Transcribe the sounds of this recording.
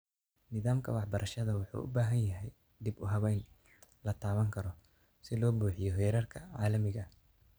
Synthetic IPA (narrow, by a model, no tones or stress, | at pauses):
nɪðaːmkʰɐwɑħbɐɾʔɐʃɐðɐwɑħṵːʔʊ̰baːɦɐnjɐɦɛj | d̪ibʊɦɐβɛjn | lɐt̪ʰaːβɐŋkʰɐɾɔ | sɪlɔːbuːħɪjɔɦɛːɾɐrkʰɐʕɑːlɐmɪɣɐ